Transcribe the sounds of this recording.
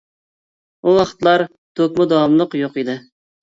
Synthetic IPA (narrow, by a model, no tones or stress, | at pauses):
uɑχt̪lˠɑɾ | t̪ʰokʲmʊd̪ɑɑmlˠəqjoqid̪ɪ